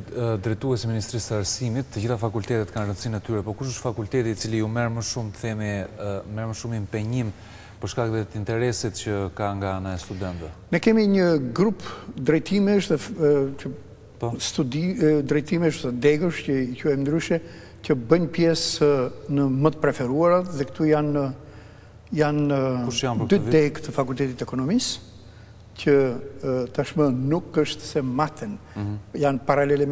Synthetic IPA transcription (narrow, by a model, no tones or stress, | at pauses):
d̪ɾɛt̪uɛsiminist̪ɾisəaɾsimit̪ːəd͡ʑiθafakult̪ɛt̪ɛt̪kanrənsinət̪yɾɛpɔkuʃəʃt̪fakult̪ɛt̪iːt͡siliumɛɾməʃumθɛmimɛɾməʃumimpɛɲim | pəɾʃkakðɛt̪int̪ɛɾɛsit̪cəkaŋɡaanaɛst̪ud̪ɛnt̪ɛnɛkɛmiɲəɡɾupd̪ɾɛjt̪ʰimɛəʃðɛcə | ɔst̪ud̪id̪ɾɛjt̪imɛəʃðɛd̪ɛɡəʃcəicuɛjnd̪ɾyʃɛ | cəbəɲpjɛsnəmət̪ə̥pɾɛfɛɾuaɾat̪ðɛkə̥t̪ujan | jan | d̪yd̪ɛkt̪əfakulʲt̪ɛt̪it̪ɛkɔnɔmis | cə | t̪aʃmənukəʃt̪sɛmat̪ɛnjanpaɾalɛlɛ